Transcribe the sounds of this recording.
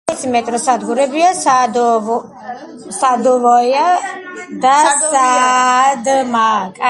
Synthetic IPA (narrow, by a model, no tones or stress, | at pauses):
ɛsimɛt̪ʼɾɔsad̪ɡuɾɛbiasad̪ | sad̪ɔvɔja | d̪asa | d̪makʼa